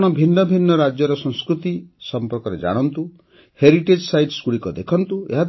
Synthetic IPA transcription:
ɽ̃ɔbʱinːɔbʱinːɔɾad͡ʒjɔɾɔsɔ̃ŋskɾut̪isɔmpɔɾkɔɾed͡ʒa̰ɽ̃ɔnt̪u | heɾiʈed͡ʒsajɖsɡuɽikɔd̪ekʰɔnt̪uḛɦad̪

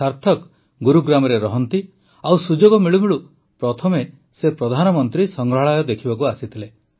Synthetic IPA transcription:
saɾt̪ʰɔk | ɡuɾuɡɾamɔɾeɾɔɦɔnt̪i | awsud͡ʒoɡɔmiɭumiɭu | pɾɔt̪ʰɔme | sepɾɔd̪ʱanɔmɔnt̪ɾisɔŋɡɾɔɦaɭajɔd̪ekʰibɔkuasit̪ʰile

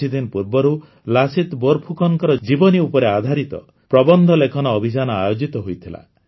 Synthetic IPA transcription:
id̪inpuɾbɔɾu | lasit̪bɔɾpʰukʰɔŋkɔɾɔd͡ʒibɔniupɔɾead̪ʱaɾit̪ɔ̰ | pɾɔbɔnd̪ʱɔlekʰɔnɔːbʱid͡ʒanɔajod͡ʒit̪ɔɦojt̪ʰila̰

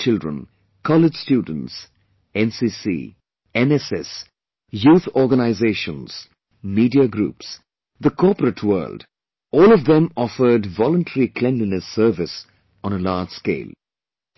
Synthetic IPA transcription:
t͡ʃɪldɹə̰̃n | kʰɔlɪd͡ʒ̥stjuːd̃ⁿn̩ts | ɛ̃nsiːsḭː | ɛ̃nɛsɛs | juːθɔːɡənaɪzeːʃə̃nz̥ | miːdiəɡɾṵːps | ðəkʰɔpəɾətʰwɜ̰ːld | ɔːlɔvðə̃mɔfə˞dvɔlə̃nʈʰəɹikʰl̥ɛ̃nlinɨsɜːvɪs | ə̃nəlaːd͡ʒ̥skḛɪlˠ

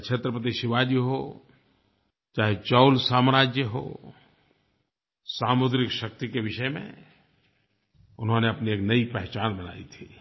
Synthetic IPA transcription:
kt͡ʃʰʃʰet̪ɾəpɾət̪̬iʃɪʋaːd͡ʒəɦo̰ | t͡ʃaːɦet͡ʃɔʊlsaːmɾaːd͡ʒjəɦo̰ː | saːmʊd̪ɾɪkʃɐk̚t̪ikeʋɪʃəmḛ̃ | ʊnɦõneɐpnieːknɐipɛɦt͡ʃaːnbɐna̰ːḭt̪ʰi

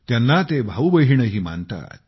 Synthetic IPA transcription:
t̪janːat̪ebʱaʋbəɦiɳəɦiːma̰nt̪a̰ːt̪̚

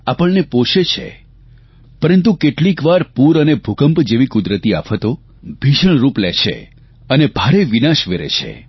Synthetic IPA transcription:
apəɭnepoʃet͡ʃʰḛ | pəɾənt̪̬ukeʈlikʋaɾpuɾənebʱukəmpd͡ʒeʋikud̪ɾət̪ia̰pɦət̪o | bʱiʃəɳ̃ɾupleʃʰḛ | ənebʱaɾeʋinaʃʋeɾḛt͡ʃʰḛ

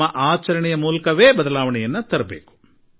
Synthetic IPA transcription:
ɐʔaːt͡ʃɐɾɐɳɛjɐmuːlɐkɐʋeːbɐd̪ɐlaːʋɐɳɛjɐnːɐt̪ɐɾɐbeːku̥

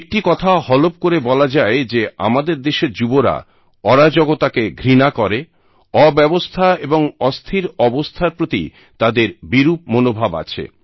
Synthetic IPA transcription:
ek̚ʈikɔt̪ʰahɔlop̚koɾebɔlad͡ʑaed͡ʑea̰mad̪eɾd̪eʃeɾd͡ʑuboɾa̰ | ɔɾad͡ʑɔɡot̪akeɡʱɾinakɔɾe | ɔbɛbost̪ʰaeboŋɔst̪ʰiɾɔbost̪ʰaɾpɾot̪ḭ | t̪ad̪eɾbiɾup̚monobʱaba̰t͡ɕʰḛ

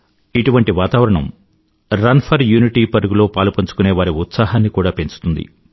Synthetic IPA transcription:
iʈuʋɐɳʈiʋaːt̪aːʋɐɾɐɳɐ̰m | ɾɐnpʰɐɾjuːniʈiːpɐɾuɡulo̞ːpaːlupɐɲt͡ʃu̥kune̞ːʋaːɾiut̪saːɦaːnːikuːɽaːpe̞ɲt͡ʃu̥t̪und̪ḭ

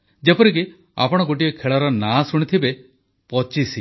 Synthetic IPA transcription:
d͡ʒepɔɾik̬i | a̰pɔɽ̃ɔɡoʈiɔkʰeɭɔɾɔnasuɽ̃it̪ʰibe | pɔt͡ʃisi

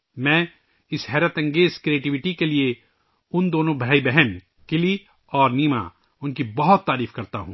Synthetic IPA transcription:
mɛ̃ː | ɪsɦɛːɾət̪ɐ̃ŋɡeːzkɾieːʈiʋɪʈikelie | ʊnd̪oːnõbʱaːibɛɦɛn | kɪli | ɔːɾniːma̰ | ʊnkibɐɦʊt̪ːaːɾiːfkɐɾt̪a̰ɦũː

